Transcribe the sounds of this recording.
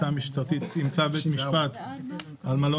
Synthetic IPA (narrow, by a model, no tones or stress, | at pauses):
amiʃt̪at̪it̪imt͡sabet̪miʃpat̪ | almalo